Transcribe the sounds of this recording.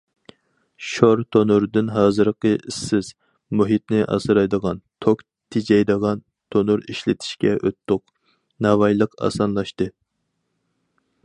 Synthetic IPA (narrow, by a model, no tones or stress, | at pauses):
ʃoɾt̪ʰonuɾɨd̪ɨnɦɑːzɨɾqəisːɪz̥ | muɦit̪̚nɪʔɑ̰sɨɾɑjd̪əʁɑnt̪ʰok | t̪ʰɪd͡ʒɛjd̪əʁɑn | t̪ʰonuɾiʃlɪt̪ʰɪ̥ʃkʲɛʔøt̪ʰːʊq̚ | nɑvɑjlˠəqɑ̰sɑnlˠɑʃt̪ɨ